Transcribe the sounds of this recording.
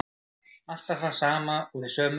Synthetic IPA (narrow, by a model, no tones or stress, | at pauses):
al̥t̪aθasaːmaɔɣðisœːm